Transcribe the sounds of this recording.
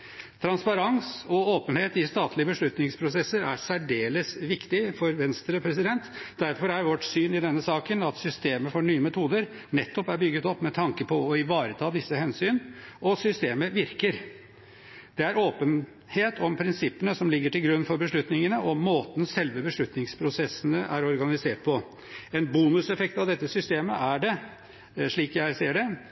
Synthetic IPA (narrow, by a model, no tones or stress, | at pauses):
t̪ʰɾɑnspɑɾɑnsɔoːpənheːt̪ɪst̪ɑːt̪ʰlɪəbəʂɭʉt̪nɪŋspʰɾʊsɛsːəɾæɾsæɖeːləsʋɪkt̪ɪfɔɾʋɛnst̪ɾəpʰɾɛs̬ɪd̪ɛnt̪d̪æɾfɔɾæɾʋɔʈsyːnɪd̪ɛnːəsɑːkənɑt̪sʏst̪eːməfɔɳyːəmɛt̪ʰuːd̪əɾ | nɛt̪ːɔpæɾbʏɡːət̪ɔpːmɛt̪ʰɑŋkəpʰɔːɪʋɑːɾət̪ʰɑːd̪ɪsːəhɛnsyːnɔsʏst̪eːməʋɪɾkəɾ | d̪̥ɛæɾoːpən | heːt̪ʰɔmpʰɾɪnsɪpːənəsɔmlɪɡːəʈɪlɡɾʉnːfɔɾbəʂɭʉt̪nɪŋənəʔɔmoːt̪n̩sɛlʋəbəʂɭʉt̪nɪŋspʰɾʊsɛsːənəʔæɾɔɾɡɑnɪseːʈ̚pʰɔ | ɛnbuːnʉsɛfɛk̚t̪ɑʋd̪ɛt̪ːəsʏst̪eːməʔæɖɛ | ʂɭiːkjæɪseːəɖɛ